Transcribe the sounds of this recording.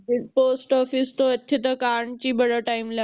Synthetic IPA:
poːsʈɔːfɪst̪oet̪ʰet̪ɐkaːɾɳt͡ɕiːbɐɽaʈaːɪmla

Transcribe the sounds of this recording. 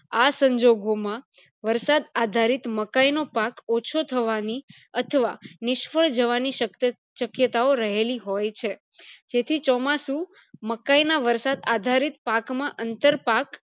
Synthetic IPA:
asəɲd͡ʒoɡomã | ʋəɾsad̪ad̪ʱaɾit̪məkainopakot͡ʃʰot̪ʰəʋani | ət̪ʰəʋanɪʃfəɭd͡ʒəʋaniə | ʃəkjət̪aoɾəɦeliɦojt͡ʃʰe | d͡ʒet̪ʰit͡ʃɔmasũ | məkainaʋəɾsad̪ad̪ʱaɾit̪̚pakmãʔənt̪əɾpak

